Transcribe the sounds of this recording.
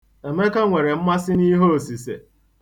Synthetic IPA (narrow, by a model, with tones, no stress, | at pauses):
e˨me˦ka˦ŋʷe˨ɾe˨m̩˦ma˦sɪ˦ni˦ɦo˦o˨si˨sḛ˨